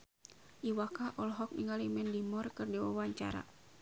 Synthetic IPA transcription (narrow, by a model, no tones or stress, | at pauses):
ʔiwakaʔɔlɦɔk̚niŋalimɛndimɔrkɨrdiwa̰waɲt͡ʃa̰ɾa̰